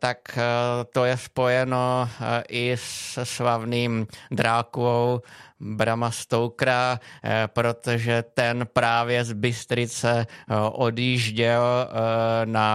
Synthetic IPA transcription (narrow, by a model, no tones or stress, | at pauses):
t̪akt̪ojɛspo̞jɛno̞ʔɪsɛslavniːmd̪ɾaːkuowbɾamast̪owkɾapɾo̞t̪oʒɛt̪ɛnpɾaːvjɛzbɪst̪ɾɪt͡sɛʔodjiːʒɟɛl | na